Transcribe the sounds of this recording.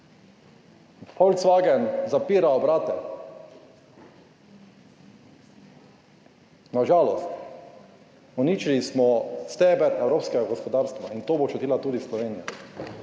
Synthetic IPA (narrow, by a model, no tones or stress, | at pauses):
fɔwlt̪sʋaɡɛnzapiːɾaɔbɾaːt̪ɛ | naʒaːlɔst̪ | ɔniːt͡ʃilismɔst̪ɛːbɛɾɛwɾoːpskɛɡaɡɔspɔd̪aːɾst̪ʋaint̪oːbot͡ʃut̪iːlat̪uːd̪islɔʋeːnijɔ